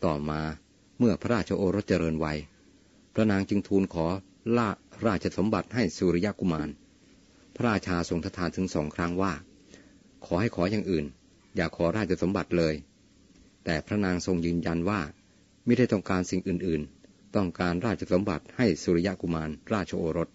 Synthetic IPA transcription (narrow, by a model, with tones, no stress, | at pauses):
t̪ɔː˨˩maː˧ | mɯ˥˩ɐpʰa˦ɾaː˥˩t̪̚t͡ɕʰa˧ʔoː˧ɾo˦˥t̪̚t͡ɕa˧ɾɤː˧nwa˧j | pʰɾa˦˥naː˧ŋt͡ɕɯ˧ŋt̪ʰuː˧nkʰɔː˩˦ | ɾaː˥˩t̪̚t͡ɕʰa˧so˨˩˦mba˨˩t̪̚ha˥˩jsuː˧ɾi˦˧ja˦˥ku˧maː˧n | pʰa˦˥ɾaː˧t̪̚t͡ɕʰaː˧so˧ŋt̪ʰa˦˥t̪ʰaː˨˦nt̪ʰɯ˩˦ŋsɔː˩˦ŋkʰɾa˦˥ŋwaː˥˩ | kʰɔː˩˦ha˥˩jkʰɔː˩˦jaː˨˩ŋʔɯː˨˩n | jaː˨˩kʰːɔː˩˦ɾaː˥˩t̪̚t͡ɕʰa˧so˩˦mba˨˩t̪̚lɤː˧j | t̪ɛː˨˩pʰɾa˦˥naː˧ŋso˧ŋjɯː˧nja˧nwaː˥˩ | ma˥˩da˥˩jt̪ɔ˥˩ŋkaː˧nsi˨˩ŋʔɯː˨˩nʔɯː˨˩n | t̪ɔ˥˩ŋkaː˧nɾaː˥˩t̪̚ʰa˧so˩˦mba̰˨˩t̪̚ha˥˩jsuː˧ɾi˧˥ja˦˥ʔku˧˩maː˧nɾaː˥˩t̪̚t͡ɕʰa˧ʔoː˧ɾo˦˥t̪̚